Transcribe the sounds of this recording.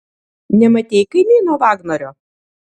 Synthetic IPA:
nʲɛmɐt̪ʲɛɪkɐɪnʲɛɪnuɔʋɑːɡnɔɾʲoː

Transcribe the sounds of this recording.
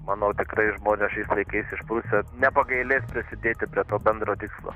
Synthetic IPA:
mɑnoːt̪ʲɪkɾɐɪʒmoːnʲɛʃɐɪslˠɐɪkɐɪsɪʃpɾʊsʲɛnʲɛpɐɡɐɪlʲeːspʲɾʲɪsʲɪd̪ʲeːt̪ʲɪpʲɾʲiɛt̪oːbʲɛnd̪ɾoːt̪ʲiːkslˠo̰

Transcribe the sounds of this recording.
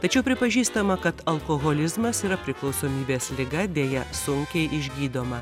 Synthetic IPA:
t̪ɐt͡ʃʲɛʊpʲɾʲɪpɐʒʲiːst̪ɐmɐkɐt̪ɐlˠkoːɣoːlʲɪzmɐsiːɾɐpʲɾʲɪklˠɒʊsoːmʲiːbʲeːslʲɪɡɐd̪ʲeːjɛsʊŋʲkʲɛɪʔɪʒʲɡʲiːd̪oːmɐ

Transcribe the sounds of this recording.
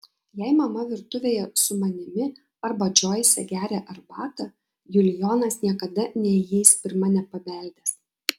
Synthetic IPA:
jɛɪmɐmɐʋʲɪɾt̪ʊʋʲeːjɛsʊmɐnʲɪmʲɪ | ɐɾbɐd͡ʒʲoːjɛsʲɛ̰ɡʲæːɾʲɛʔɐɾbɑːt̪ɐ | jʊlʲjoːnɐsnʲiɛkɐd̪ɐnʲɛjɛɪspʲɪɾmɐnʲɛpɐbʲɛˑlʲd̪ʲɛs

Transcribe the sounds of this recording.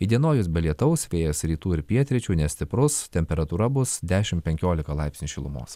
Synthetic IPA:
id̪ʲiɛnoːjʊsbʲɛlʲiɛt̪ɐʊsʋʲeːjɛsɾʲiːt̪uːɪɾpʲiɛt̪ʲɾʲɪt͡ʃʲuːnʲɛsʲt̪ʲɪpɾʊst̪ʲɛmʲpʲɛɾɐt̪uːɾɐbʊsd̪ʲæːʃʲɪmpʲɛŋʲkʲoːlʲɪkɐlˠɑɪpʲsnʲuʃʲɪlˠʊ̰mo̰ːs

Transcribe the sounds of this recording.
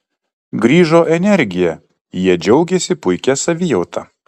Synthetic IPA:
ɡɾʲiːʒoːʔɛnʲɛɾʲɡʲɪjɛ | jiɛd͡ʒʲɛʊɡʲɛsʲɪpʊɪkʲɛsɐʋʲiːjɛʊt̪ɐ

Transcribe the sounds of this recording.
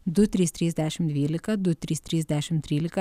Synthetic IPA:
d̪ut̪ɾist̪ɾʲizd̪ɛʃɛmd̪ʋʲilikɐd̪ut̪ɾist̪ɾizd̪ɛʃɛmt̪ɾilʲika

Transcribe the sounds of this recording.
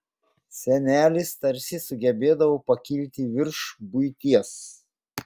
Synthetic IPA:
sʲɛnʲæːlʲɪst̪ɐɾʲsʲɪsʊɡʲɛbʲeːd̪ɐʋoːpɐkʲɪlʲt̪ʲɪʋʲɪɾʃbʊɪt̪ʲiɛs

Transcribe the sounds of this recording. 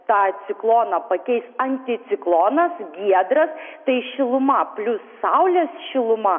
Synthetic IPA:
t̪ɑːsʲɪklˠoːnɐpɐkʲɛɪsɐnʲt̪ʲɪt̪sʲɪklˠoːnɐsɡʲiɛd̪ɾɐst̪ɐɪʃʲɪlˠʊmɐpʲlʲʊsːɐʊlʲesʃʲɪlˠʊmɐ

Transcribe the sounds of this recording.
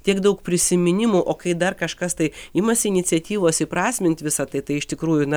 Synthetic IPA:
t̪ʲiɛkd̪ɐʊkpʲɾʲɪsʲɪmʲɪnʲɪmuʔoːkɐɪd̪ɐrkɐʃkɐst̪ɐɪɪmɐsʲɪɪnʲɪt͡sʲɛt̪ʲiːʋoːsʲɪpɾɑːsʲmʲɪnt̪ʲʋʲɪsɐt̪ɐɪt̪ɐɪɪʃt̪ʲɪkɾuːjʊnɐ

